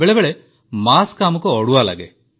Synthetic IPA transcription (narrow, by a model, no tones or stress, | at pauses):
eɭeʋeɭe | maːskaːmukːɨoɽuʋaːla̰ːɡḛ